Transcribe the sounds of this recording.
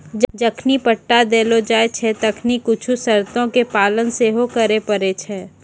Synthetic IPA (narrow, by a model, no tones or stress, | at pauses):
d͡ʒd͡ʒəkʰnipəʈːad̪eːlod͡ʒaːet͡ʃʰɛːt̪əkʰnikʊt͡ʃʰusɐɾt̪õkepaːlənseɦokəɾepəɾet͡ʃʰɛː